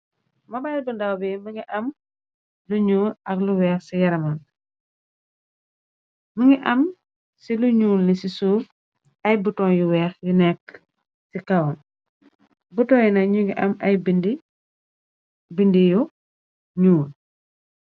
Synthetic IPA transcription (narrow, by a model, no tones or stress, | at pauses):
mɐbajlbəndawbɛməŋɡiʔɐm | luɲuːlɐkluwɛːxsijɐɾɐmɐn | məŋɡiʔɐm | siluɲuːlːisisuːf | ɐjbutɔŋjuwɛːxjunɛkː | sikɐwn | butɔːjunɐɲuŋɡiʔɐmɐjbindi | bindiju | ɲuːl